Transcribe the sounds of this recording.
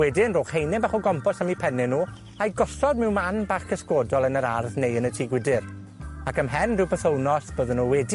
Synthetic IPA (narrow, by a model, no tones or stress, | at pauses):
wɛdɪnroːχhejnɪmbaχɔɡɔmpʰɔsamipʰɛnɪnuː | ajɡɔɬɔd̚mɪwmanbaːχkʰəskoːdɔlˠənəɾarðnejənətʰiːɡwɪdɪr | akəmɦɛndɪwpʰəθownɔsb̥oːðənuwɛdi